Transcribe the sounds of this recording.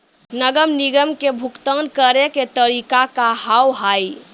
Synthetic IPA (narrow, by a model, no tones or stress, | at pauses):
nəɡəmniɡəmkebʱukt̪ənkəɾeket̪əɾikakaɦawɦaj